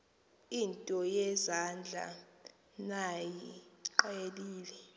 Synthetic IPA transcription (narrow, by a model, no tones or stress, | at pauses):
intʼɔjɛzand͡ɮʱa̰ | najiǃaeliːlɛ